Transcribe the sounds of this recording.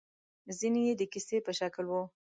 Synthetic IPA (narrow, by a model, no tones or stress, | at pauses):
zinejed̪əkisepəʃaklwu